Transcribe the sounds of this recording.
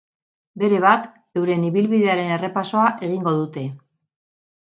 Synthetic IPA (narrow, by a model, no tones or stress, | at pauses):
be̞ɾe̞βat̪ | e̞wɾe̞niβilβiðe̞aɾe̞ne̞re̞paso̞aʔe̞ɣ̞iŋɡo̞ðut̪e̞